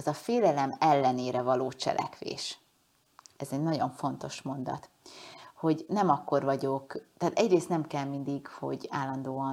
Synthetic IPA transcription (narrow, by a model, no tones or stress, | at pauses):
ɛzɒfeːlɛlɛmɛlːɛneːɾɛvɒloːt͡ʃɛ̰lʔɛ̰kʋḛːʃ | ɛzɛɟnɒɟo̞ɱfo̞n̪t̪o̞ʃmo̞nd̪ɒ̰t̪ | ho̞ɟnɛmɒkːo̞rvɒɟo̞kt̪aːt̪ɛɟreːst̪nɛmkɛlmind̪iɡho̞̰ɟaːlːɒnd̪oːɒn